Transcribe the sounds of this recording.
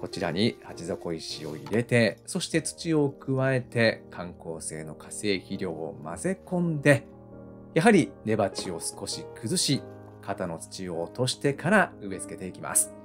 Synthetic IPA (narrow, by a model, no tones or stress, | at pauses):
ko̞t͡ɕiɾa̰ɲihat͡ɕizo̞ko̞iɕio̞̰ḭɾe̞t̪e̞so̞ɕi̥t̪e̞t͡sɨ̥t͡ɕio̞kɯ̟βae̞t̪e̞kʰãŋko̞ːse̞̰ːno̞kʰase̞ːçiɾʲo̞ːma̰ze̞kõ̞nd̪e̞ | jaɦaɾʲine̞bat͡ɕio̞sɨ̥ko̞ɕikɯ̟zɨɕi | kat̪ano̞t͡sɨ̥t͡ɕio̞ːt̪o̞ɕi̥t̪e̞kʰaɾaɯ̟βe̞t͡sɨ̥ke̞t̪e̞ikʲima̰sɨ̥